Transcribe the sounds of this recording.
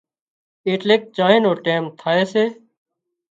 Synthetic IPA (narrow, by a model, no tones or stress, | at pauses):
eːʈleːk̚t͡ʃaːɦẽːnoːʈeːmt̪ʰaːeːseː